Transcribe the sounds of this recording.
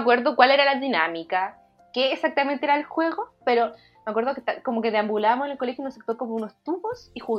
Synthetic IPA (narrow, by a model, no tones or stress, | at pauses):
kwe̞ɾðokwaleɾalaðina̰mika | keːsak̚t̪ament̪eeɾaelxwe̞ɣopeɾo̞ | meakwe̞ɾðoke̥t̪ako̞mokeðeambulamosenelkole̞xjoununsek̚t̪oɾko̞mounost̪uβosixuɣ